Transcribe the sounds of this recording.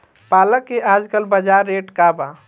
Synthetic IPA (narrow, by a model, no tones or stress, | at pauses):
paləkːeʔad͡ʒkəlbəd͡ʒaɾːeʈkaba